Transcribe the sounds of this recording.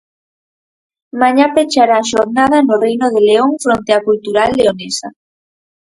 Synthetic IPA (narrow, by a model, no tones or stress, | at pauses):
maɲapet͡ʃaɾaːʃoɾnaðanorejnoð̞eleoŋfɾont̪eakult̪uɾalːeonesa̰